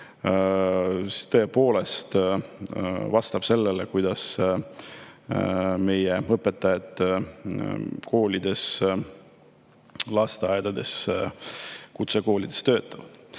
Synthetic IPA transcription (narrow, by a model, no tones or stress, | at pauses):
t̪ɤ̞epo̞ːle̞st̪ | vɑst̪ɑb̥se̞lːelekujd̪̥ɑs | me̞jeɤpːˑet̪ːˑɑjɑt̪ːˑ | ko̞ːlʲid̪̥e̞s | lɑst̪eɑjed̪̥ɑd̪̥e̞̰s | kut̪se̞ko̞ːlʲid̪̥est̪øːt̪ːˑɑv̥